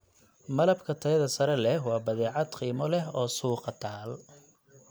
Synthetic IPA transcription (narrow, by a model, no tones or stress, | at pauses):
mɐlɐbkʰɐt̪ʰɐjɐðɐsɐɾɛlɛɦwɑːbɐðɛːʕɑd̪qiːmɔlɛɦɔːsuːqɑt̪ʰaːl